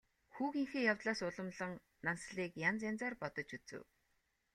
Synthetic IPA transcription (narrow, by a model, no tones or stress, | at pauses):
xuːɣiŋxĕːjawt̪ɮaːsʊɮə̆mɮə̆ŋ | nansɮiːkjant͡sant͡saːrpɔt̪ɞ̆t͡ɕut͡sɘ̰̆w